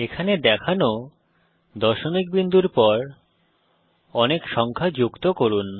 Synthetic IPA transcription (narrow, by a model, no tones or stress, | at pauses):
ekʰaned̪ɛkʰano | d̪ɔʃomik̚bind̪uɾpɔɾ | ɔnekʃɔŋkʰad͡ʑukt̪okoɾun